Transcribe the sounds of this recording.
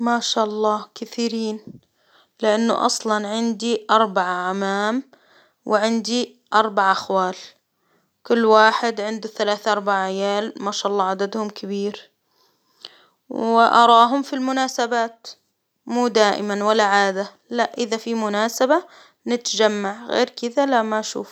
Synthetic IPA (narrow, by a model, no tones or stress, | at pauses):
maːʃaːʔɑlˤːɑːkɪθiːɾiːn | lɪʔanːʊ̰ʔɑ̰sˤlɑnʕɪnd̪iʔɑɾˤbaʕaʕamaːm | wʔɪʕɪnd̪i | ʔɑɾˤbaʕʔaxwaːl | kʊlːwaːħɪd̪ʕɪnd̪uθalaːθʔɑɾˤbaʕʕɪjaːlmaʃaːʔɑlˤːɑːʕad̪ad̪hʊmkʰɪbiːɾ | wɪʔɑ̰ɾˤɑːɦʊmfilmʊnaːsabaːt̪ | muːd̪aːʔɪ̰manwalːaʕaːd̪a | laʔʔɪðafimʊnaːsaba | nɪt̪d͡ʒamːaʕɣḛːɾkɪðalaʔmaʔʃṵːf